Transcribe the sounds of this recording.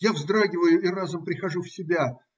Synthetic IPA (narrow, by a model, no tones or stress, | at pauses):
javzd̪ɾaɡʲɪvəjʊɪrazəmpɾʲɪxɐʐufsʲɪbʲa